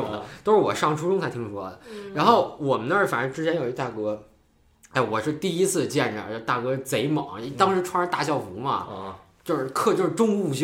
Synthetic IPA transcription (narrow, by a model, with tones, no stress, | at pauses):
ʊ˨˩ŋd̪ə˦t̪o˥ʊʂɻ̩˥˩wɔ˨˩ʂɑ˥˩ŋʈ͡ʂʰu˥ʈ͡ʂʊ˥ŋt͡sʰa˥t̪ʰi˥ŋ˧˩wɔ˥˩d̪ə˩ɻa˧˥nxo˥˩ʊwɔ˨˩mə˦nd̪ə˥˩fa̰˨˩nə˧˥ʈ͡ʂɻ̩˥t͡ɕʰjɛ˥njo˨˩ʊi˧˥t̪a˥˩kɤ˧˥ | e˥˩ɪwɔ˨˩ʂɻ̩˥˧t̪i˥˩i˥t͡sʰɹ̩˥˩d̪ə˩t͡ɕjɛ˥˩nʈ͡ʂə˩˧˩t͡ɕo˥˧t̪a˥˩kɤ˧˥˩t͡se˧˥ɪmɑ̰˨˩˦ŋ˥t̪ɑ˥ŋʂɻ̩˧˥ʈ͡ʂʰɻa˧˥t̪a˥˧ɕjɑ˥˩ʊfu˧˥mɐ̰˧˨ | t͡ɕjo˥˧ʊʂɻ̩˥˧kʰɤ˥˧t͡ɕjo˥˧ʂɻ̩˧ʈ͡ʂʊ˥ŋu˥˩ɕ